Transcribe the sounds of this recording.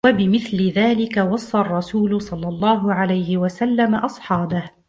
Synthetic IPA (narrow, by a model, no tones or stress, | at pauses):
wabɪmɪθlɪðaːlɪkawɑsˤːɑʔrˤːɑsuːlʊsˤɑlːɑlˤːɑːɦʊʕalajhɪwasalːamaʔɑsˤħɑːbah